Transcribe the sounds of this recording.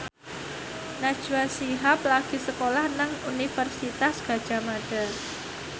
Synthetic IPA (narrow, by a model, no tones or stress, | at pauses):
nad̥ʒ̥uasiɦaplaɡ̥i̤səkolahnaŋunifərsit̪asɡ̥a̤d̥ʒ̥a̤maɖ̥a̤